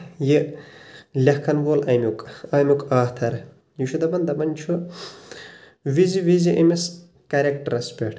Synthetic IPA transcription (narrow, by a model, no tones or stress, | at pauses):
ji | lʲɐhkʰɐnʋoːlɐmʲukɐːmʲukaːht̪ʰɐɾ | jiʃʰud̪ɐbɐnd̪ɐbɐnʲt͡ʃʰu | ʋiziʋiziʔɐmis | kɐɾʲekʈɐɾɐspʲeʈʰ